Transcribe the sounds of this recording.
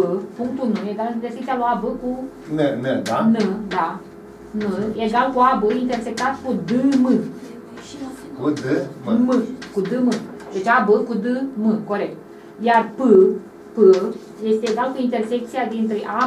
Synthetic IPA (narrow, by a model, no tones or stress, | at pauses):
əpuŋk̚t̪ulnujeɡaliersekt̪sialoabəku | nened̪anəd̪a | nəjeɡalkuabəint̪e̞rsek̚t̪at̪kud̪ɨmɨ | kud̪ɨmɨkud̪ɨmɨ | d̪e̞t͡ʃabəkud̪ɨmɨko̞ɾe̞k̚t̪̚ | jarpɨ | pə | je̞st̪e̞ːɡalkuint̪e̞rsek̚t̪siad̪int̪ɾeʔa